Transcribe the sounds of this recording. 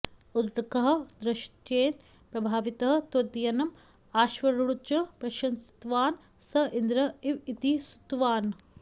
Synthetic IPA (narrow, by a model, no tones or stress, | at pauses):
ud̪ɾɐkɐɦɐ̆d̪ɾɐʃtjeːn | pɾɐbʱaːʋit̪ɐɦɐ̆t̪od̪jɐnɐm | aːʃʋɐɾuɭut͡ʃɐpɾɐʃɐnsi̥t̪ʋaːn | sɐʔind̪ɾɐiʋit̪isu̥t̪ʋaːn